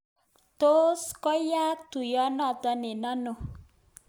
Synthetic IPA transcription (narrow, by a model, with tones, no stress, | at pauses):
t̪o˦skɔ˦ja˦t̪u˨jɔ˦nɔ˨t̪ɔ˧ne˨na˦no˨